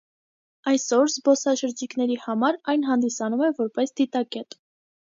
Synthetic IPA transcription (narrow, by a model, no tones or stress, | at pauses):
ɑjsɔɾzbɔsɑʃəɾd͡ʒiknɛɾihɑmɑɾɑjnɦɑnd̪isɑnumɛvɔɾpɛsd̪̥it̪ɑkɛt̪